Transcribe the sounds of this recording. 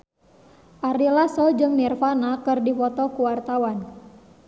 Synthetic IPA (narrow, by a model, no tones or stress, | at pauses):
ʔaɾilasɔd͡ʒɨŋmirfanakɨrdifɔt̪ɔkuwart̪awan